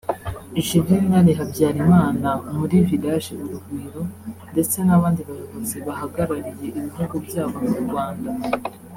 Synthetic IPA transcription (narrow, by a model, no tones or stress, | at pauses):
iʒibiɾinaɾiɦabɟaːɾimaːnamuɾividaʒeʔuɾuɡwiːɾo̞nde̞t͡se̞naβaːndiβaɾuβozeβahaɡaɾaɾije̞ʔiβiɦuɡubɟaːβo̞muɾɡwaːnda